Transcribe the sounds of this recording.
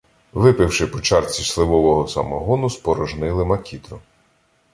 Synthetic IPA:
ʋɪpɪwʃɪpɔt͡ʃɑrt͡sʲislˠɪʋɔʋɔɦɔsɐ̰mɔɦɔnʊspɔɾɔʒnɪlˠɪmɐkʲit̪ɾʊ

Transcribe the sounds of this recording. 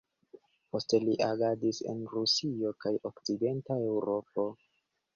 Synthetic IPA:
po̞ste̞liʔaɡadise̞̰nɾusio̞kajokt͡side̞ntae̞uɾo̞po̞

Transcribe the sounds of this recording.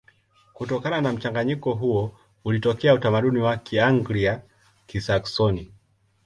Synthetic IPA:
kutɔkananam̩t͡ʃaŋɡaɲikɔɦuɔ | ulitɔkɛautamaɗuniwakiaŋɡlia | kisaksɔni

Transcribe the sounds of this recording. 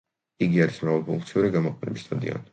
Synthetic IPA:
iɡiaɾismɾavalˠpʰuŋkʰt̪sʰiuɾiɡamɔqʼɛnɛ̰bist̪ʼad̪ḭa̰n

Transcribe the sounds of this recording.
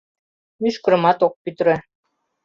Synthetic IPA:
myʃkɤ̆ɾɤ̆mɑt̪ok̚pyt̪ɾɘ̆

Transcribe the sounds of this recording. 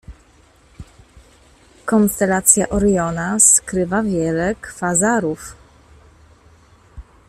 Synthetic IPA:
kɔnst̪ɛlat̪sʲjaʔɔɾjɔnaskɾɘvavʲjɛlɛkfazaɾuf

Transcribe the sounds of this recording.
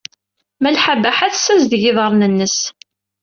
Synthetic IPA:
mælħabæħaθsːæzðjɪðˤəɾˤnənːəs

